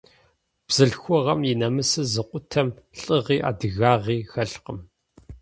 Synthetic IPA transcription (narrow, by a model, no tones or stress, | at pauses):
b̥z̥ɨɬxʷɔʁɐmjɪnɐmɨsɨzɨqʷʊtʰɐmɬʼɨʁiːʔa̰ːdɨɣaːʁiːxɐɬqəm